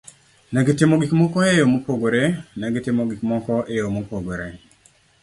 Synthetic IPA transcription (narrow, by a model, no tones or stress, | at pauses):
nɛɡɪtɪmoɡikmɔkɔejomopoɡoɾenɛɡɪtɪmoɡikmɔkɔʔejomopoɡoɾḛ